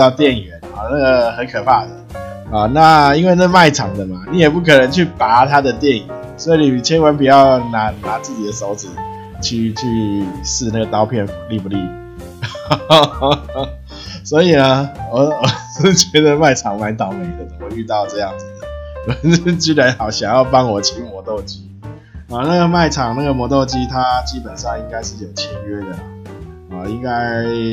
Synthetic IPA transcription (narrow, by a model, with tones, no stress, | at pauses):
ɑ˥˧ʊt̪jɛ˥˩nɥɛ˨˦nɔ˨˩na˥˩ɡə˨˩xə˧˦nkʰɤ˨˩pʰa˥˩d̪ə˩ɔ˨˩na˥˨i˥nwe˥˧na˥˧ɡma˥˩ɪʈ͡ʂʰɑ˨˩˦ŋd̪ə˨ma˨ni˨˦jɛ˨˩p̬u˥˩kʰɤ˨˩nə˧˦nt͡ɕʰy˥˩pa˨˥˦t̪ʰa˥d̪ə˨t̪jɛ˥˩nɛ˨˩˦nswɔ˧˥i˨˩ni˨˩˨t͡ɕʰjɛ˧˥nwə˧˦np̬i˨˩t͡ɕjɑ˥˩ʊna˧˥˦na˧˥t͡sɹ̩˥˩t͡ɕi˨˩d̪ə˦so˧˥ʊt͡sɹ̩˨˩ | t͡ɕʰy˥˧t͡ɕʰy˥sɹ̩˥˧na˥ɡə˩t̪ɑ˥ʊpʰjɛ˥˩n˨li˥˩pu˨˦li˥˩ | swɔ˧˦˥i˨˩nə˦wɔ˨˩wɔ˨˩˥ | t͡ɕɥɛ˧˥d̪ə˨ma˥˩ɪʈ͡ʂʰɑ˨˩ŋma˧˥˦nt̪ɑ˨˩ʊme˨˩˦ɪd̪ə˨˩ə˧˦ŋo˧y˥˧t̪ɑ˥˧ʊʈ͡ʂɤ˥˧jɑ˥˩ŋd͡zɹ̩˨˩d̪ə˩˨˩ | t͡ɕy˥la˧˥ɑ˨˩ʊɕjɑ˨˩ŋjɑ˥˩ʊpɑ˦˥ŋwɔ˨˩t͡ɕʰi˧˥ŋmwɔ˧˥t̪o˥˧ʊt͡ɕi˦˥ | ɔ˨˩na˥˩ɡə˩ma˥˩ɪʈ͡ʂʰɑ˨˩ŋna˥˩ɡə˩mwɔ˧˥t̪o˥˩ʊt͡ɕi˦˥t̪ʰa˦t͡ɕi˦˥pə˨˩nʂɑ˥˧ŋi˥ŋka˥ɪʂ̬ɻ̩˥˩jo˨˩ʊt͡ɕʰjɛ˧˥ŋɥɛ˥˩d̪ə˩ | hɔ˨˩i˥˧ŋka˥ɪ